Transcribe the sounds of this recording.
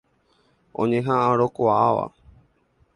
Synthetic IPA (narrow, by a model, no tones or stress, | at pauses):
õɲẽɦãʔãɾokoaʋa̰